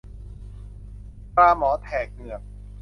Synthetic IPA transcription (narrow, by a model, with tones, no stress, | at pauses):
pɾaː˧mɔː˩˦t̪ʰɛː˨˩k̚nɯ˨˩ək̚